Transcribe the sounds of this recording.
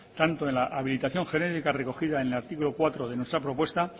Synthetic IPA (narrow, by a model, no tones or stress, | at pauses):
t̪ant̪o̞e̞nlaʔaβilit̪aθjo̞ŋxe̞ne̞t̪ikare̞ko̞xiðaenelaɾt̪ikulo̞kwat̪ɾoðe̞nwe̞st̪ɾapɾo̞pwe̞st̪a